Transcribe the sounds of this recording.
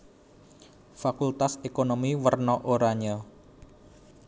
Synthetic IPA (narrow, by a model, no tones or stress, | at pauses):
fakult̪asekonomiwərnɔʔoɾaɲə